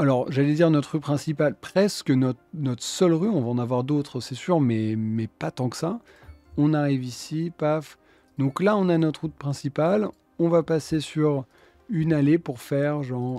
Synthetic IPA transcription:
alɔʁʒalɛd̪iʁnɔt̪χʁypχɛ̃sipalpχɛskənɔt̪nɔt̪χəsœlʁyɔ̃vaɑ̃navwaʁd̪ot̪χsɛsyʁmɛmɛpat̪ɑ̃ksa | ɔ̃naʁivisipaf | d̪ɔ̃klaɔ̃nanɔt̪χut̪̚pχɛ̃sipal | ɔ̃vapasesyʁ | ynalepuʁfɛʁʒɑ̃ʁ

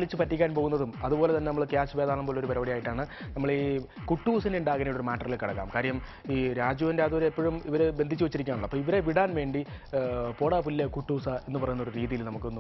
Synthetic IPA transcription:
ɭit͡ɕːɨpɐtːikʲːaːnpo̞ːɣunːɐðumɐðupo̞ːlet̪ɐnːenɐmːɐɭkjaːsuʋeːðaːɳɐmbo̞ːleoɾupɐɾɐʋɐɽijaːjiʈːaːɳɨnɐmːɐɭi | kuʈːuːsineuɳɖaːɣɐnɐjiʈo̞ɾumaːʈːɐrilkɐɽɐkːa̰ːmkaːɾɐjɐm | iːɾaːd͡ʑjuːʋɐndeɐðuɾeːpːoɻumiʋɐɾebe̞nd̪ʱit͡ɕːuʋɐt͡ɕːiɾikʲːaːnɳuɭːɐpːoːiʋɐɾe̞ʋiɽaːnʋe̞ːɳɖi | poːɽaːpulːekuʈːuːsae̞nːɨpɐrɐjunːo̞ɾuɾiːðijilnɐmukːɨonː

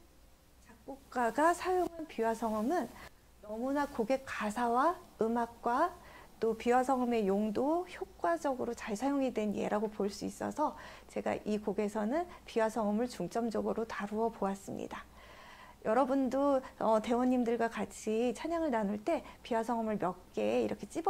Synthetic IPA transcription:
t͡ɕak̚k͈ok̚k͈aɡasʰajoŋɦanpiwasʰʌŋɯmɯn | nʌmunakoɡe̞kk͈asʰawaɯmak̚k͈wat͈opiwasʰʌŋʌme̞joŋdoçjok̚k͈wad͡ʑʌɡɯɾot͡ɕaɭsʰajoŋidwe̞nje̞̰ɾaɡopoɭs͈uis͈ʌ̰sʰʌ | t͡ɕe̞ɡa̰ʔikoɡe̞sʰʌnɯnpiwasʰʌŋɯmɯɭt͡ɕuŋt͡ɕ͈ʌmd͡ʑʌɡɯɾotaɾuʌpoas͈ɯmɲḭda | jʌɾʌbundoʌte̞wʌɲːimdɯɭɡwakat͡ɕʰit͡ɕʰaɲaŋɯɭnanuɭt͈e̞piwasʰʌŋʌmɯɭmjʌk̚k͈e̞ːiɾʌkʰe̞t͡ɕ͈ib

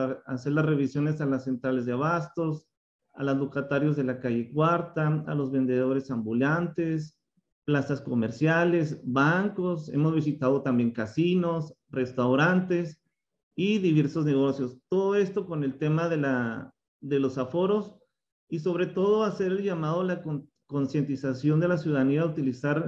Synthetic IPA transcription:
ase̞ɾlasre̞βisjo̞ne̞salasːe̞nt̪ɾale̞zðeaβast̪o̞s | a̰lazlokat̪aɾjo̞zðe̞lakaʝe̞kwaɾt̪aa̰lo̞zβe̞nd̪e̞ð̞o̞ɾe̞sambulant̪e̞s | plasasko̞me̞ɾsjale̞sbaŋko̞se̞̰mo̞zβis̬it̪að̞o̞t̪ambje̞ŋkasino̞sre̞st̪awɾant̪e̞s | iðiβe̞ɾso̞zne̞ɣ̞o̞sjo̞st̪o̞ðo̞e̞st̪o̞ko̞ne̞lt̪e̞maðe̞la | ðe̞lo̞safo̞ɾo̞s | iso̞β̞ɾe̞t̪o̞ð̞o̞ase̞ɾe̞lʝamað̞olako | ko̞nsje̞nt̪isasjo̞nd̪e̞las̬juðaðaniaut̪ilisaɾ

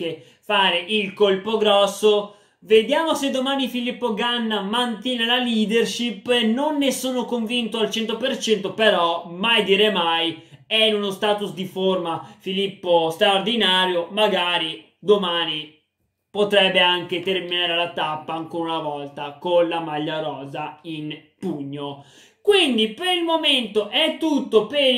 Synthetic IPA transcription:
ke | faːɾeʔilkolpoɡɾɔsːo | ved̪jaːmosed̪ːomaːnifilipːoɡanːamant̪jɛːnelaliːd̪erʃipːenonːesoːnokoɱvint̪oalt͡ʃɛnt̪opert͡ʃɛnt̪opeɾɔmajd̪iːɾemajɛnunost̪aːt̪usd̪iformafilipːost̪ɾaord̪inaːɾjomaɡaːɾi | d̪omaːni | pot̪ɾɛbːeaŋket̪erminaːɾelat̪apːaːŋkoːɾaunavɔlt̪akonlamaʎːaɾɔːzainpuɲːo | kwind̪ipeɾilmoment̪oʔɛt̪ːut̪ːope

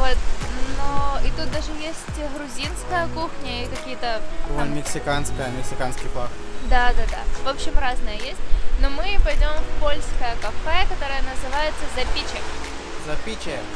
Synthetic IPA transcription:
vo̞t̪noɪt̪ut̪̚d̪aʐɨjesʲtʲɣɾʊzʲinskəjəkuxnʲəikɐkʲijət̪əonmʲɪksʲɪkanskəjəmʲɪksʲɪkanskʲijpaxd̪ad̪ad̪a̰vo̞pɕːɪmraznəjəjesʲtʲnomɨpɐjdʲo̞mfpolʲskəjəkɐfɛkɐt̪o̞ɾəjənəzɨvajɪt̪səzɐpʲit͡ɕɪk | zɐpʲit͡ɕɪ

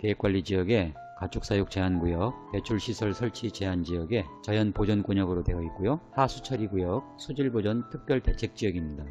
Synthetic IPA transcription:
kek͈waʎːid͡ʑijʌɡe̞ | kat͡ɕʰuk̚s͈ajok̚t͡ɕe̞ɦanɡujʌk̚pe̞t͡ɕʰuɭɕʰisʰʌɭsʰʌɭt͡ɕʰit͡ɕe̞ɦand͡ʑijʌɡe̞t͡ɕajʌnpod͡ʑʌnk͈oɲʌɡɯɾodwe̞ʌik͈ojohasʰut͡ɕʰʌɾiɡujʌk̚sʰod͡ʑiɭbod͡ʑʌntʰɯk̚p͈jʌɭte̞t͡ɕʰe̞k̚t͡ɕ͈ijʌɡimɲida

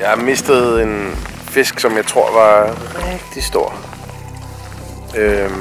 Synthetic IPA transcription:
jɑ̈me̝sd̥ð̩ˠe̝n | fe̝sɡ̥sɒ̽mjɑ̈ɪt͡sʰʁo̝ɐ̰ʋɑ̈ʁɛɡ̥̚d̥isd̥o̝ɐ̰ | ø

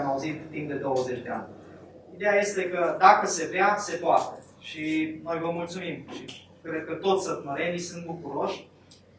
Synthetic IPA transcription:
mauzit̪ːimpd̪e̞d̪o̞wəze̞t͡ʃʲd̪e̞a̰nʲ | id̪e̞jaje̞st̪e̞kəd̪akəse̞vease̞poat̪e̥ | ʃino̞jvəmult̪sumimʃi | kɾe̞d̪̚kət̪o̞t̪ssət̪məɾe̞nijsunt̪̚bukuɾo̞ʃʲ

